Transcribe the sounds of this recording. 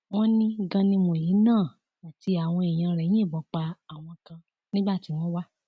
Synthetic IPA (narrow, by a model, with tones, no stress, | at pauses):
w̃ɔ̃˦nĩ˦ɡã˦nĩ˦mo˨ji˨˦nãː˦˨ | a˨ti˧a˨w̃ɔ̃˧e˨j̃ã˧ɾɛ˨j̃ĩ˦e˦˨bɔ˨˦k͡pa˧a˨w̃ɔ̃˧kã˧ | nĩ˦ɡ͡ba˦˨ti˨˦w̃ɔ̃˦wa˦